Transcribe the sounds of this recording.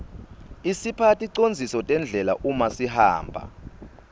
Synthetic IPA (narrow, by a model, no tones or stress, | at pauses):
isipʰatʼiǀond͡zʱisɔtʼɛnd͡ɮʱɛla̰ʔumasiha̰ːmbʱa̰